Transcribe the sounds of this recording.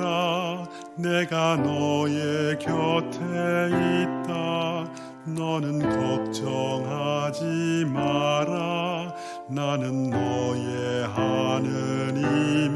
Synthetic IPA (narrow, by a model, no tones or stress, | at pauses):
ɾa | neɡanʌjekjʌtʰeit̚t͈a | nʌnɯnkʌk̚t͡ɕʌŋɦad͡ʑimaɾa | nanɯnːʌjeɦanɯnim